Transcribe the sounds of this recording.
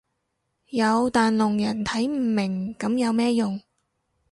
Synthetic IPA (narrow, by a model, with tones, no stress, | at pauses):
jɐ˨˧wt̪aː˨nlʊ˨˩ŋjɐ˨˩nt̪ʰɐ˨˥jm̩ː˨˩mɪ˨˩ŋkɐ˨˥mjɐ˨˧wmɛː˥jʊ˨ŋ